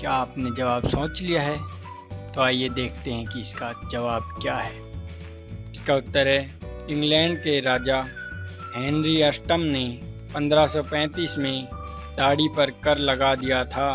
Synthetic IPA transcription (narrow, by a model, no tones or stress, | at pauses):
kjaːpned͡ʒɐʋaːbsõːt͡ʃlijaɦɛː | t̪oaːjed̪eːkʰt̪eɦɛ̃kiɪskad͡ʒɐʋaːbkjaːɦɛː | ɪskaʊt̪ːəɾɦɛɪ̃ŋɡlɛ̃ːɳɖkeɾaːd͡ʒa | ɦɛ̃ːnɾiəsʈəmnepɐ̃nd̪ɾasɔpɛ̃ːt̪iːsmẽ | ɖ̪aːɽipɐɾkɐɾlɐɡad̪ijat̪ʰaː